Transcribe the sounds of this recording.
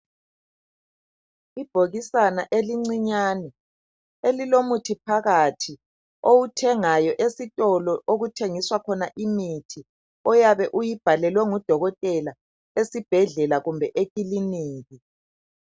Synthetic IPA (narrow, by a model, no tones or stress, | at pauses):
ib̥ʱoɣisanaʔeliŋ͡ǀiɲaːnɛ | elilomutʰipʰaɣatʰi | owutʰɛŋajɔʔesitʼɔlɔʔoɣutʰeŋiswakʰɔnaʔimitʰi | ɔjaβɛʔujib̥ʱalɛlwɛŋud̥ʱɔɣɔtʼɛla | esib̥ʱɛɮɛlaɣumbʱɛʔekʼiliniːɣi